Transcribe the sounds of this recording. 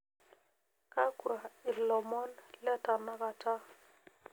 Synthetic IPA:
ka˦ku˨ɾa˨ɪ˨lɔ˨mɔ˦nlɛ˦ta˨na˦ɣa˨ta˦

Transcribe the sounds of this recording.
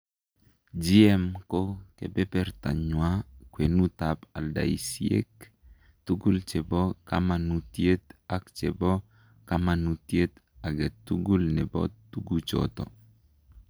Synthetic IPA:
d͡ʒi˦ɛ˦mkokḛ˨bɛ˦pɛ˦rt̪a̰˨ɲwa˦kwe˨nu˦t̪a˨pa˨lda̰˨ḭ˨siḛ˦k | t̪u˦ɡu˦lt͡ʃe˨bɔ˦ka̰˦ma˨nut̪je˦t̪a˦kt͡ʃe˨bɔ˦ | kama˨nu˨t̪je˦t̪ | a˨ɡe˨t̪u˦ɡu˦lnɛ˨bɔ̰˦t̪ːu˦ɡu˦t͡ʃɔ̰t̪ɔ̰˨

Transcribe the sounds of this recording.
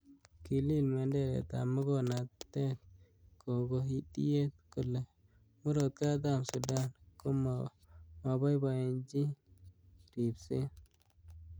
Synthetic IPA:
ki˨li˦˨lme˨nde˦ɾḛ˨t̪a̰˨mʊ˦ɡo˦˨na˨t̪ːe˦t̪̚ | ko˨ɡo˦ɦi˦dḭ˦je˦t̪̚kʊ˦lːe˨ | mu˦ɾo˨t̪̚ka˦d̪a˦˨msu˨da˦nko˦m | ma˨ba˦jba˨e˨nd͡ʒi˦ | ɾi˨bse˦

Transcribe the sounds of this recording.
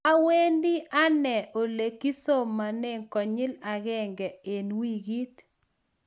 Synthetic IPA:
a˦we˦ndɪ˦ʔa˦nɛ˨ʔo˨le˨ki˦so˦mːa˨ne˦ŋkɔ˨ɲɪ˦la˨ɣɛ˦ŋɡɛ˨e˨nwi˦ɡi˦t̪

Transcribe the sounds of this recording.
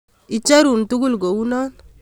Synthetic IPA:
i˨t͡ʃa˦ɾu˨ntu˦ɡu˦lɡo˨wu˦nɔ˦n

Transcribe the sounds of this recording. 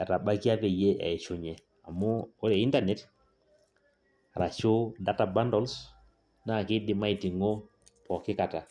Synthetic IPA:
a˨ta˨ba˦ki˦a˦pɛ˨je˦ʔa̰˨t͡ʃʊ˨ɲɛ˨ | a˨mʊː˦ɾɛ˨i˦nta˨nɛ˦t | a˨ɾa˨t͡ʃʊ˦da˦ta˨ba˦ndɔ˦ls | na˦˨kɪ˦dɪ˦ma˦i˨ti˨ŋo˦ | pɔ˨kɪ˦ka˨ta˨

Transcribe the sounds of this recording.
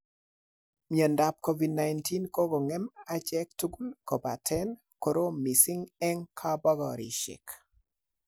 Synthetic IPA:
miɛ˨nda˨p̚ko˦vi˨dna˨jnti˦nko˦ɡo˨ŋɛ˦ma˦t͡ʃɛ˦k̚tu˦ɡu˦lko˨ba˨tʰɛ˦n | ko˨ɾo˦mi˨sɪ˦ŋɛ˦ŋkʰa˦ba˦ɡɔ˨ɾḭ˨ʃɪ̰˨k

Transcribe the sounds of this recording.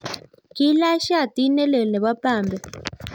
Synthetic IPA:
ki˦la˦ʃa˦˨t̪i˦nɛ˦le˨nɛ˨βa˦paː˨mbɛ˨

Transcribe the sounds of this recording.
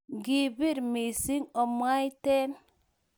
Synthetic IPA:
ɡi˨bi˦ɾmi˨si˦ŋo˨m˦a˦jte˦n

